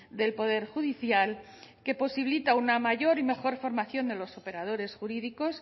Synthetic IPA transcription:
d̪e̞lpo̞ð̞e̞ɾxuðiθjal | ke̞po̞siβlit̪aunamaʝo̞ɾime̞xo̞ɾfo̞ɾmaθjo̞nd̪e̞lo̞so̞pe̞ɾað̞o̞ɾe̞sxuɾiðiko̞s

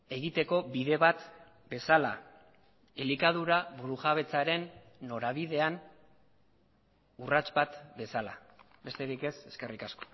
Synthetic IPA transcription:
e̞ɣit̪e̞ko̞biðe̞βat̪ | be̞sala̰ | elikað̞uɾaβuɾuʝaβ̞e̞t͡saɾe̞nː | o̞ɾaβ̞iðe̞an | urat͡ʃbat̪be̞sala̰ | be̞st̪e̞ɾike̞se̞ske̞rikasko̞̥

